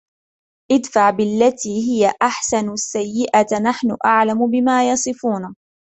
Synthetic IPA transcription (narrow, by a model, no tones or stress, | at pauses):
ʔɪd̪faʕbɪlːat̪iːhɪjaʔaħsansːajːɪʔanaħnʊʔaʕlamʊbɪmaːjɑsˤɨfuːna